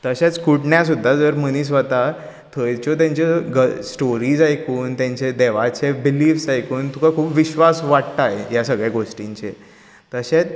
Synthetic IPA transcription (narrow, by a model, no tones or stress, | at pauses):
t̪əɕet͡skuʈɳjas̬ud̪ʱːad͡zəɾmənis̬ʋət̪a | t̪ʰəjt͡ɕɔt̪̬jãɲt͡ɕeɡəsʈoɾiːd͡zajkuːnt̪jãɲt͡ɕed̪eʋat͡sebiliːfsajkuːnt̪ukakʰuːpʋiɕʋasʋaʈt̪aɦejasəɡɭjaɡoʂʈiɲt͡ɕḛ | t̪əɕet͡s